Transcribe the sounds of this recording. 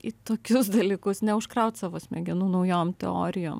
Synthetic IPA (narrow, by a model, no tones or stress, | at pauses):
ɪt̪oːkʲʊsd̪ɐlʲiːkʊsnʲɛʊʃkɾɐʊt̪sɑːʋoːsʲmʲɛɡʲɪnunɐʊjoːmt̪ʲɛ̰o̰ːɾʲɪjo̰ːm